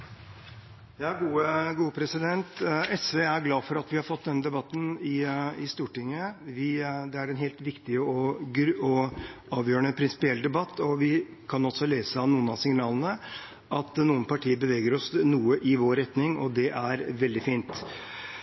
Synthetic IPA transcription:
jɑːɡuːəɡuːəpʰɾɛsɪd̪ɛnt̪ɛsʋeːæɾɡlɑːfɔɾɑt̪ʋɪhɑɾfɔt̪̚ːd̪ɛnːəd̪ɛbɑt̪ːn̩ɪɪst̪uːʈɪŋːəʋɪd̪ɛæɾɛnɦeːlt̪ʋɪkt̪ɪəɔɡɾɔɑːʋjøːɳəpʰɾɪnsɪ̥pɪɛlːd̪ɛbɑt̪ːɔʋɪ | kʰɑnɔsɔleːsəɑnuːənɑsɪŋnɑːlənə | ʔɑt̪nuːənpʰɑʈʰiːəbəʋeːɡəɾɔsnuːəʔɪʋoːɾɛt̪nɪŋɔ̰d̪ɛʔæɾʋɛld̪ɪfiːnt̪

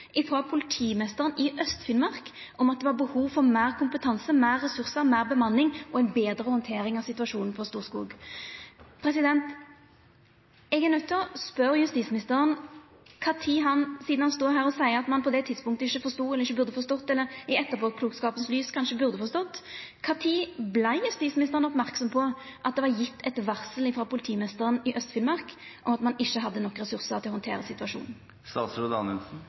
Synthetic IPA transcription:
ʔɪfʁɔpʰʊlɪt̪ʰiːmɛst̪əʁənʔɪʔœst̪fɪnmɑʁk | ʔɔmɑt̪̚d̪ɛʋɑɾbəhuːʋfɔʁmæːʁkʰʊmpət̪ʰɑnsəmæːʁːɛsʉʁsəʁmæɪʁbəmɑnːɪŋʔɔæɪnbeːd̪ɾəhɔnt̪ʰeːɾɪŋɑsɪt̪ʉɑʂuːnn̩pʰɔst̪uːʁskṵːɡ | pʰɾɛsɪd̪ɛnt̪ | ɛɡɛnʉt̪ʰːəspœɾjʉst̪iːt̪smɪnɪst̪əʁən | kʰɑt̪ʰɪɦɑnsiːd̪n̩hɑnst̪oːɦæːʁɾɔsæɪəʁɑt̪mɑnpʰɔd̪ɛt̪ʰɪd̪spʊŋkt̪əɪçːəfɔʁst̪uːɛlːʁɪʃːəbʉʁd̪əfɔʁst̪ɔt̪ːɛlːəɾɪɛt̪ːəpʰoːkʰluːkskɑːpənslyːskʰɑnʂəbʉʁd̪əfɔst̪ɔt̪ːkʰɑːt̪ʰiːblæɪjʉst̪iːsmɪnɪst̪əʁənɔpmæʁksɔmpʰɔʔɑt̪̚d̪ɛʋɑɾjɪt̪ːɛt̪ʋɑʁsəlɪfɾɑːpʰʊlɪt̪ʰiːmnɪst̪əʁənɪʔœst̪fɪlmɑʁkʔɔmɑt̪mɑnɪʃːəɦɑd̪ːənɔkːɾɛsʉʁsəʁt̪ʰɪlɔhɔnt̪ʰḛːɾəsɪt̪ʉɑʂṵːnn̩ | st̪ɑːt̪sʊd̪ɑnɛlsn̩

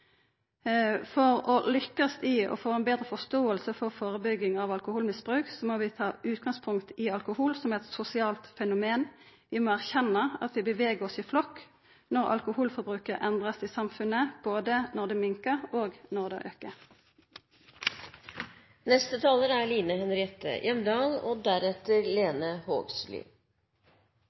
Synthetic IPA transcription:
fɔʁɔlʏkːɑst̪ɪɔ̰foːɛnbeːd̪ʁəfɔst̪oːəlsəfɔʁfoːʁəbʏɡːɪŋɑʋɑlkʊhuːlmɪsb̥ʁʉːksɔmɔʋɪt̪ʰɑːʔʉːt̪ɡɑŋspʰʊŋkt̪ɪɑlkʊhuːlsɔmɛt̪sʊsɪɑːlt̪fɛnʊmeːn | ʋɪmoːæʁçɛnːɑɑ̰t̪ʋɪbəʋeːɡəʁɔsɪflɔkː | nɔʁɑ̰lkʊhuːlfɔʁbʁʉːkəʁɛnd̪ʁəsiːsɑmfʉnəb̥oːd̪ənɔʁd̪eːmɪŋkəʁoːɡnɔʁd̪ḛʔø̰kə | nɛst̪ət̪ʰɑːləɾæliːnəhɛnɾɪɛt̪ə̰jʔɛmd̪ɑːlo̰ːd̪æɾɛt̪əɾleːnəho̰ːɡsly̰ː

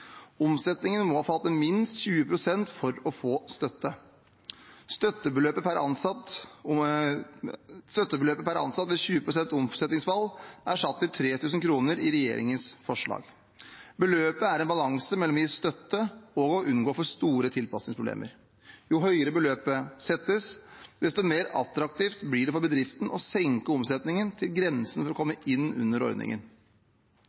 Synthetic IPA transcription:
ɔmsɛt̪nɪŋənmɔhɑːfɑlt̪ːəmɪnst̪çʉːəpʰɾʊsɛnt̪fɔɾɔfoːst̪œt̪ːə | st̪œt̪ːəbəløːpəpʰæɾɑ̰nsɑt̪ | st̪œt̪ːəbəløːpəpʰæɾɑ̰nsɑt̪ʋɛçʉːəpʰɾʊsɛnt̪ɔmsɛt̪nɪŋsfɑlʔæʂɑt̪ːɪt̪ʰɾeːt̪ʰʉːs̬n̩kʰɾuːnəɾɪɾɛjḛːɾɪ̰ŋənsfɔʂɭɑ̰ːɡ | bəløːpəæɾɛnbɑlɑŋsəmɛlːɔmjist̪œt̪ːəɔɡɔʔʉnɡoːfɔʂt̪uːɾət̪ʰɪlpɑsnɪŋspʰɾʊb̪ḛːmʔə̰ɾ | jʊɦœʏəɾəbəløːpəsɛt̪ːəsd̪̥ɛst̪ɔmeːɾɑ̰t̪ɾɑkt̪iːft̪blɪɖɛfɔɾbəd̪ɾɪft̪n̩ʔɔsɛŋkəɔmsɛt̪nɪŋənt̪ʰɪlɡɾɛnsənfɔɾɔkʰɔmːəʔɪnːʉ̰nːəɾɔ̰ɾd̪nɪ̰ŋə̰n

